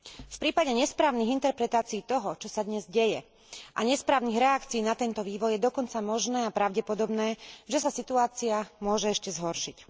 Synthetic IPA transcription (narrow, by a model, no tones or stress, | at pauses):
fpɾiːpaɟɛɲɛspɾaːʊniɣint̪ɛɾpɾɛt̪aːt͡siːt̪ɔɦɔt͡ʃɔsad̪ɲɛzɟɛjɛ | ʔaɲɛspɾaːʊniɣɾɛakt͡siiːnat̪ɛnt̪ɔʋiːʋɔjɛd̪ɔkɔnt͡samɔʒnɛːapɾaʊɟɛpɔd̪ɔbnɛːʒɛsasit̪uaːt͡siamʊɔʒɛɛʃcɛzɦɔɾʃic